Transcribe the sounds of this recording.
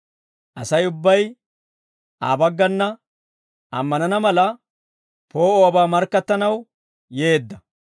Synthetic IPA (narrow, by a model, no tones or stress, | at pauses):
ʔɐsɐjʊbːɐj | ʔaːbɐɡːɐnːɐ | ʔɐ̰mːɐnɐnɐmɐlɐ | po̞ːoːbaːmɐɾkːɐt̪ːɐnɐw | je̞ːd̪ːɐ